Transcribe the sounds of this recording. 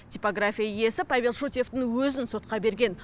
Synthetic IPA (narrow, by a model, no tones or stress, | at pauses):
t̪ʲipo̞ɡrafʲijaje̞sɪpavʲe̞lˠʃut̪ʲje̞ft̪ɪŋwɵzɪnso̞t̪̚qɑbe̞ɾɡʲe̞n